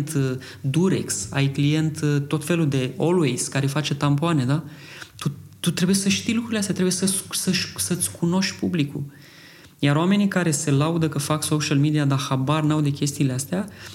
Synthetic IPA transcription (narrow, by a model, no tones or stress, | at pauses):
nt̪ | d̪uɾḛksa̰jklije̞nt̪t̪ːo̞t̪fe̞lud̪e̞olwejskaɾe̞fat͡ʃe̞t̪ampoane̞d̪at̪ut̪ut̪ɾe̞buje̞səʃt̪ijlukɾuileast̪eat̪ɾebujesəssəʃsət̪sʲkʰuno̞ʃt̪ʲpublikṵl | jaɾoame̞nikaɾe̞se̞laud̪əkəfakso̞ʃalmid̪iad̪axabarnawd̪e̞kʲe̞st̪iːleast̪ea